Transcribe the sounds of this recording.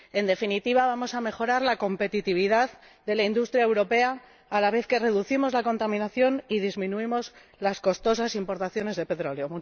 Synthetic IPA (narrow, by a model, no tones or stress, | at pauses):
e̞nd̪e̞finit̪iβaβ̞amo̞same̞xo̞ɾaɾlako̞mpe̞t̪it̪iβ̞iðað | ðe̞laind̪ust̪ɾjaewɾo̞pe̞aː | laβ̞e̞θke̞re̞ðuθimo̞zlako̞nt̪amĩnaθjo̞nið̞izmĩnuimo̞z | lasko̞st̪o̞sasimpo̞ɾt̪aθjo̞ne̞zðe̞pe̞t̪ɾo̞leo̞mu